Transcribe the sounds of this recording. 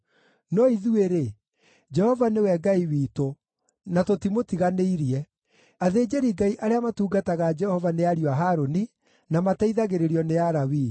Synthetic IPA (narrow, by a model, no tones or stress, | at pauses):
nɔiðueɾe | d͡ʒɛhɔvanewɛɡaiwiːto | natotimotiɣaneiɾiɛ | aðed͡ʒeɾiɡaiʔaɾeamatuːɡataɣad͡ʒɛhɔvaneaɾiwaɦaɾoni | namataiðaɣeɾeɾiɔneaɾawi